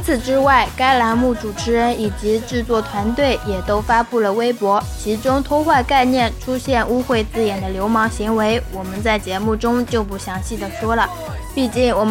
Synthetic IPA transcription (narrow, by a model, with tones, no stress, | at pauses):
t͡sʰɹ̩˨˩ʈ͡ʂɻ̩˥wa˥˩ɪka˥ɪla˧˥nmu˥˩ʈ͡ʂu˨˩ʈ͡ʂʰɻ̩˧˥ɻə˧˥ni˨˩t͡ɕi˧˥ʈ͡ʂɻ̩˥˧t͡swɔ˥˩t̪ʰwa˧˥nt̪we˥˩ɪjɛ˨˩t̪o˥ʊfa˥pu˥˩lə˩we˥ɪpwɔ˧˥t͡ɕʰi˧˥ʈ͡ʂʊ˥ŋt̪ʰɔ˥xwa˥˧ka˥˧ɪnjɛ˥˩nʈ͡ʂʰu˥ɕjɛ˥˧nu˥xwe˥˧ɪt͡sɹ̩˥˩jɛ˨˩nd̪ə˦ljo˧˥ʊmɑ˧˥ŋɕi˧˥ŋwe˧˥ɪwɔ˨˩mə˦nt͡sa˥˩ɪt͡ɕjɛ˧˥mu˥˩ʈ͡ʂʊ˥ŋt͡ɕjo˥˧ʊp̬u˥˩ɕjɑ˧˥ŋɕi˥˩d̪ə˩ʂwɔ˥lə˩ | pi˥˧t͡ɕi˥˩ŋwɔ˨˩